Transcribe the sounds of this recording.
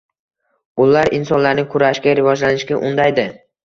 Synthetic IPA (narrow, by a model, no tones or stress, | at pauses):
ʊlaɾɪnsɒnlaɾnɪkʰʊɾaʃkʲaɾɪvɒd͡ʒlanɪʃɡʲaʔʊnd̪ajd̪ɪ